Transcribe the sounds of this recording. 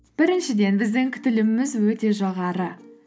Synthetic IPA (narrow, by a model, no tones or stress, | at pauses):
b̥ɪɾɪnʃɪd̪e̞nbɪzd̪ɪŋkʲʰʏ̥t̪ɪlɪmːɪzwɵt̪e̞ʒɑʁɑɾə